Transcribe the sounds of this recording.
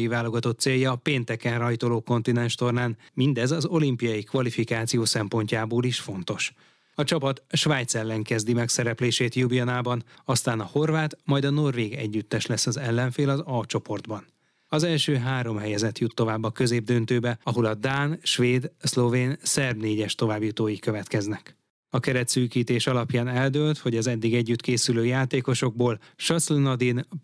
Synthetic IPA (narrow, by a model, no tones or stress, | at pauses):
jivaːlo̞ɡɒt̪o̞t̪ːseːjɒːpeːnt̪ɛkɛnrɒjt̪o̞loːko̞nt̪inɛnʃt̪o̞rnaːnmind̪ɛzɒzo̞limpijɒjikʋɒlifikaːt̪sijoːsɛmpo̞ɲcaːboːliʃfo̞n̪t̪o̞ʃ | ɒt͡ʃɒpɒt̪ʃʋaːjt̪sɛlːɛŋkɛzd̪imɛksɛɾɛpleːʃeːt̪jubijɒnaːbɒnɒst̪aːnɒho̞rvaːt̪mɒjd̪ɒno̞rveːɡɛ̰ɟːyt̪ːɛʃlɛsːɒzɛlːɛɱfeːlɒzɒlt͡ʃo̞po̞rd̪bɒn | ɒzɛlʃøːɦaːɾo̞mɦɛjɛzɛt̪jut̪ːo̞vaːbːɒkø̞zeːb̚d̪ønt̪øːbɛɒɦo̞lɒd̪aːnʃʋeːd̪slo̞veːnsɛrbneːɟɛʃt̪o̞vaːbjut̪oːjikø̞vɛt̪kɛznɛk | ɒkɛɾɛt̪syːkiːt̪eːʃɒlɒpjaːnɛld̪øːlt̪ho̞ɟɒzɛd̪ːiɡɛɟːyt̪keːsyløːjaːt̪eːko̞ʃo̞ɡ̚boːlʃɒslɛnɒd̪in